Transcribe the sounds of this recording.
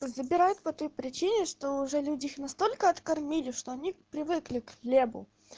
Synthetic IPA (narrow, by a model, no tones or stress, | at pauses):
zəbʲɪɾajʊt̪pɐt̪o̞jpɾʲɪt͡ɕinʲɪʂt̪oʊʐɛlʲudʲɪixnɐst̪o̞lʲkəɐt̪kɐrmʲilʲɪʂt̪o̞ɐnʲipɾʲɪvɨklʲɪklʲebʊ̰